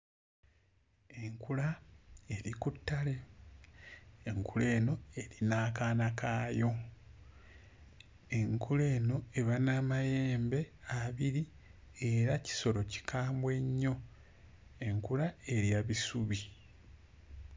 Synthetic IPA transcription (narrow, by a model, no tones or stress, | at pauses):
e̞ŋkulae̞ɾikutːale̞ | ŋkule̞ːno̞e̞ɾinaːkaːnakaːjo̞ | e̞ŋkʰule̞ːno̞e̞βanamaje̞ːmbe̞aβiɾi | e̞ɾaci̥so̞ɾo̞ci̥kʰaːmbwe̞ɲːo̞ | e̞ŋkulae̞ɾiaβisuβi